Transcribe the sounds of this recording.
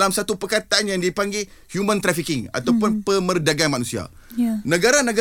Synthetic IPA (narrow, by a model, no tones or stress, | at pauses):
lamsat̪upərkat̪aʔanjaŋdipaŋɡe | hjumə̃nt̪ɾafikɪŋa̰t̪awpʊnpəmərdaɡanmanũsia̰ | nə̃ɡaɾanə̃ɡ